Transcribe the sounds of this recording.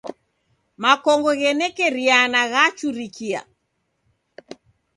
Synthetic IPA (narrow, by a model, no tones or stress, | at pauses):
makɔŋɡɔɣɛnɛkɛɾianaɣat͡ʃuɾikʰia̰